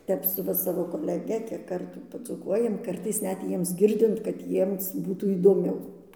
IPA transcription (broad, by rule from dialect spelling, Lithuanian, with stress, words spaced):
ˈtʲɛp sʊ ˈʋɐ sɐʋoː koːlʲɛˈɡʲɛ kʲiɛk ˈkɐrtuː pɐd͡zuːˈkuɔjɛm ˈkɐrtɐɪs ˈnʲɛt ˈjiɛms ˈɡʲɪrʲdʲɪnt kɐt ˈjiɛms ˈbuːtuː iːdoːˈmʲɛʊ